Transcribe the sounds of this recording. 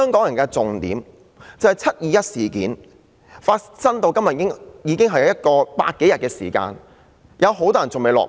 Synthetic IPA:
hœː˥ŋkɔː˨˥ŋjɐ˨˩nkɛː˧t͡sʊ˨ŋt̪ḭː˨˥m | t͡sɐ˨whɐ˨jt͡sʰɐ˥t̚jiː˨jɐ˥t̚siː˨˩kḭː˨˥n | faː˧tsɐ˥nt̪o˧wkɐ˥mjɐ˨˥ŋjiː˨˧kɪ˥ŋɦɐ˨jɐ˧jɐ˥t̚kɔː˧pa̰ː˧t̚ke˨˥jɐ˨t̚kɛː˧sḭː˨˩ka̰ː˧n | jʔɐ˨˧wɦo˨˥wt̪ɔː˥jɐ˨˩t͡sʊ˨ŋme˨˧jlɔ̰ː˨k̚

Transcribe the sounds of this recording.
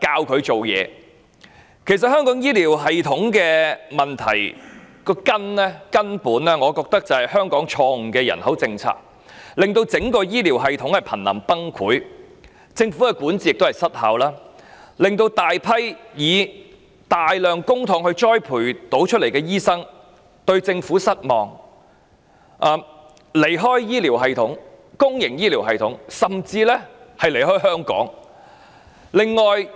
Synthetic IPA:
kaː˧wkʰɵ˨˧ɥt͡so˨wjɛ̰ː˨˧ | kʰe˨˩js̬ɐ˨t̚hœː˥ŋkɔː˨˥ŋjiː˥liː˨˩wɦɐ˨jt̪ʰʊ˨˥ŋkɛː˧mɐ˨nt̪ʰɐ̰˨˩jkɔː˧kɐ˥nlɛː˥kɐ˥npuː˨˥nlɛː˥ŋɔː˨˧kɔː˧k̚t̪ɐ˥k̚t͡sɐ˨˩hɐ˨˩jhœː˥ŋkɔː˨˥ŋt͡ʃʰɔː˧ŋ̩˨˩kɛː˧jɐ̰˨˩nhɐ˨˥wt͡sɪ˧ŋt͡sʰa̰ː˧k̚ | lɪ˨ŋt̪o˧wt͡sɪ˨˥ŋkɔː˧jiː˥li˨˩wɦɐ˨jt̪ʰʊ˨˥ŋhɐ˨jpʰɐ˨˩nlɐ̰˨˩mpɐ˥ŋkʰuː˨˥j | t͡sɪ˧ŋfu˨˥kɛ˧kuː˨˥nt͡si˨˥jɪ˨k̚t̪wɐ˨˩jsɐ˥t̚ha̰˨˥wlaː˥lɪ˨ŋt̪o˧wt̪aː˨jpʰɐ˥jjiː˨˧ | t̪aː˨jlœː˨ŋkʊ˥ŋt̪ʰʊ˨˥ŋhɵ˧ɥt͡ʃɔː˥jpʰuː˨˩jt̪o˨˥wt͡ʃʰɵ˥le˨˩jkɛː˧jiː˥sɐ˥ŋ | t̪ɵ˧ɥt͡sɪ˧ŋfuː˨˥sɐ˥t̚mɔː˨ŋ | ʔɐː˨ | le˨˩jɦɔː˥jjiː˥liː˨˩wɦɐ˨jt̪ʰʊ˨˥ŋ | kʊ˥ŋjɪ˨˩ŋjiː˥liː˨˩wɦɐ˨˧jt̪ʰʊ˨˥ŋsɐ˨mt͡siː˧lɛː˥hɐ˨jle˨˩jɦɔː˥jɦœː˥ŋkɔ̰ː˨˥ŋ | lɪ˨ŋːɔː˨j

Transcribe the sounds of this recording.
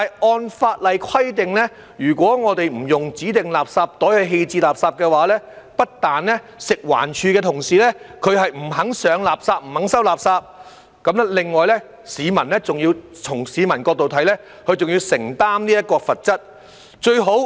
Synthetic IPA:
ɐ˨˩jʔɔː˧nfaː˧t̚lɐ˨jkʰɐ˥jt̪ɪ˨ŋlɛː˥ | jyː˨˩kʷɔː˨˥ŋɔː˨˧t̪e˨jm̩˨˩jʊ˨ŋt͡siː˨˥t̪ɪ˨ŋlaː˨p̚saː˧p̚t̪ɔː˨˥jhɵ˧ɥɦe˧jt͡siː˧laː˨p̚saː˧p̚kɛː˧waː˨˥lɛː˥ | pɐ˥t̚t̪aː˨nlɛː˥ | sɪ˨k̚wa̰ː˨˩nt͡ʃʰyː˧kɛː˧t̪ʰʊ˨˩ŋsiː˨˩lɛː˥kʰɵ˨˧ɥɦɐ˨jm̩˨˩ɦɐ˨˥ŋsœː˨˧ŋlaː˨˩p̚saː˧p̚m̩˨˩hɐ˨˥ŋsɐ˥wlaː˨p̚saː˧p̚ | kɐ˨˥mlɛ˥lɪ˨ŋːɔː˨jlɛ˥ | siː˨˧mɐ˨˩nlɛ˥t͡sʊ˨ŋjiː˧w | t͡ʃʰʊ˨˩ŋsiː˨˧mɐ˨˩nkɔː˧k̚t̪o˨wt̪ʰɐ˨˥jlɛː˥ | kʰɵ˨˧ɥt͡sʊ˨ŋjiː˧wsɪ˨˩ŋt̪aː˥mniː˥jɐ˥t̚kɔː˧fɐ˨t̚t͡sɐ˥t̚ | t͡ʃɵ˧ɥɦo˨˥w

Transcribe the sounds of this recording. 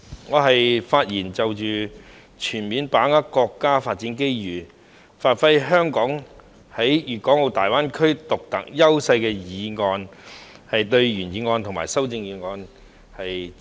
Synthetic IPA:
ŋɔː˨˧ɦɐ˨jfaː˧t̚jiː˨˩nt͡sɐ˨wt͡ʃyː˨˩ | t͡ʃʰyː˨˩nmiː˨˧npaː˨˥ŋa˥kɔː˧kːaː˥faː˧t̚t͡si˨˥nke˥jjyː˨˩ | faː˨˧t̚fɐ˥jɦœː˥ŋkɔː˨˥ŋ | hɐ˨˥jjyː˨kɔː˨˥ŋo˨˧wt̪aː˨˩jwaː˥nkʰɵ˥ɥt̪ʊ˨k̚t̪ɐ˨˥k̚jɐ˥wsɐ˧jkɛː˧jiː˨˧˥ŋɔː˧nhɐ˨jt̪ɵ˧ɥɥyː˨˩njiː˨˧˥ŋɔː˧nt̪ʰma̰ː˨˩jsɐ˥wt͡sɪ˧ŋjiː˨˧ŋɔː˧n | hɐ˨j

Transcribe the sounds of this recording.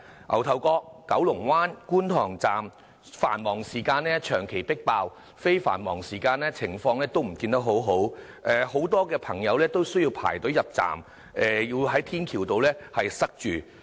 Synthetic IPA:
ʔɐ̰˨˩wt̪ʰɐ˨wkɔː˧kːɐ̰˨˥wlʊ˨˩ŋwaː˥nkuː˥nt̪ʰɔː˨˩ŋt͡saː˨m | fa̰ː˨˩nmɔː˨˩ŋsiː˨˩kaː˧nlɛː˥t͡ʃʰœː˨˩ŋkʰe˨˩jpɪ˥k̚paː˧w | fe˥jfa̰ː˨˩nmɔː˨˩ŋsiː˨˩kaː˧nlɛː˥t͡sʰɪ˨˩ŋfɔː˧ŋlɛː˥t̪o˥wm̩˨˩kiː˧nt̪ɐ˥k̚ɦo˨˥wɦo˨˥w | ʔɛ˨˧ho˨˥wt̪ɔː˥kɛː˧pʰɐ˨˩ŋjɐ˨˧wlɛː˥t̪o˥wsɵ˥jiː˧wpʰa̰ː˨˩jt̪ɵ˨˥wjɐ˨p̚t͡sa̰ː˨˩m | ʔɛː˧jiː˧wɦɐ˨˥jt̪ʰiː˥nkʰiː˨˩wt̪o˨wlɛː˥hɐ˨jsɐ˥k̚t͡ʃyː˨˩

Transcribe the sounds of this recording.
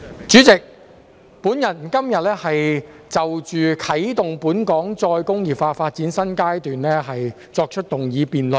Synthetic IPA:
t͡ʃyː˨˥t͡sɪ˨k̚ | puː˨˥njɐ˨˩nkɐ˥mjɐ˨t̚lɛː˥hɐ˨j | t͡sɐ˨wt͡ʃyː˨kʰɐ˨˥jt̪ʊ˨ŋpuː˨˥nkɔː˨˥ŋt͡sɔː˧jkʊ˥ŋjiː˨˩pfaː˧faː˧t̚t͡siː˨˥nsɐ˥nkaː˥jt̪yː˨nlɛː˥ɦɐ˨j | t͡sɔː˧k̚t͡ʃʰɵ˥t̚t̪ʊ˨˩ŋjiː˨˧piː˨˩nlɵ˨n

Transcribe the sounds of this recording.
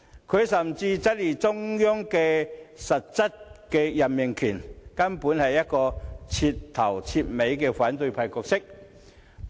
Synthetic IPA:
kʰɵ˨˧ɥsɐ˨˩mt͡siː˧t͡sɐ˥t̚liː˨˩t͡sʊ˥ŋjʊ˥ŋkɛː˧sɐ˨t̚t͡sɐ˥t̚kɛː˧jɐ˨˩nmɪ˨˩ŋkʰyː˨˩nkɐ˥npuː˨˥nhɐ˨jːɐ˥t̚kɔː˧t͡sʰiː˧tt̪ʰɐ˨˩wt͡sʰiː˧t̚me˨˧jkɛː˧faː˨˥nt̪ɵ˧ɥpʰaː˧˩kɔː˧k̚sɪ˥k̚

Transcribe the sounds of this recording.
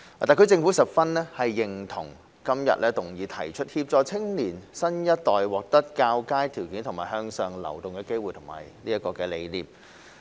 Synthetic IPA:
aː˨t̪aː˨˩kɵ˨˧ɥt͡sɪ˧ŋfu˨˥sɐ˨p̚fɐ˥nlɛː˥hɐ˨jːɪ˨ŋt̪ʰʊ̰˨˩ŋ | kɐ˥mjɐ̰˨t̚lʔɛː˥t̪ʊ˨˩ŋjiː˨˧t̪ʰɐ̰˨˩jt͡ʃʰɵ˥t̚hiː˧p̚t͡sɔː˨˧t͡sʰɪ˥ŋliː˨˩nsɐ˥njɐ˥t̚t̪ɔː˨jwɔː˨k̚t̪ɐ˥t̚kaː˧wkaː˥jt̪ʰiː˨˩wkiː˨˥nt̪ʰʊ˨˩ŋmaː˨˩ɦœː˧ŋsœː˨ŋlɐ̰˨˩wt̪ʊ˨ŋkɛː˧ke˥jwuː˨jt̪ʰʊ˨˩ŋma̰ː˨˩jliː˥ɐ˥t̚kɔː˧kɛː˧le˨˧jliː˨p̚

